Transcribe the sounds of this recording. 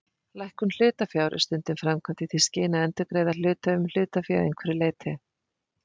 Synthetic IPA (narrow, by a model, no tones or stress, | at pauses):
lajhkʏml̥ʏːt̪afjawɾʔɪ̰st̪ʏnt̪ɪmfɾamkʰvant̪ɪtθʰiscɪːnaɛnt̪ʏkɾejðal̥ʏːt̪aʏml̥ʏːt̪afjawejŋkʰvɛɾɪleːjt̪ʰɪ